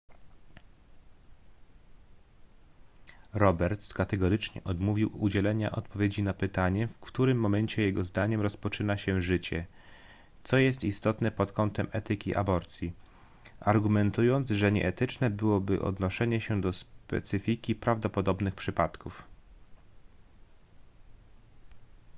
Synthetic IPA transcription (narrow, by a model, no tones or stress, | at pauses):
ɾɔbɛɾt̪skat̪ɛɡɔɾɘt͡ʂɲɛ̰ʔɔd̪muvʲiwud͡ʑɛlɛɲa̰ʔɔt̪pɔvʲjed͡ʑinapɘt̪aɲɛfkt̪uɾɘmːɔmɛɲt͡ɕɛjɛɡɔzd̪aɲɛmɾɔspɔt͡ʂɘnaɕɛʐɘt͡ɕɛ̰ | t̪sɔjɛst̪ist̪ɔt̪nɛpɔt̪kɔnt̪ɛmɛt̪ɘkʲḭʔa̰bɔɾt̪sʲji | aɾɡumɛnt̪ujɔnd̪zʐɛɲɛ̰ʔɛt̪ɘt͡ʂnɛbɘwɔbɘ̰ʔɔ̰d̪nɔʂɛɲɛɕɛd̪ɔspɛ̰t̪sɘfʲikʲipɾavd̪ɔpɔd̪ɔbnɘxpʂɘpat̪kuf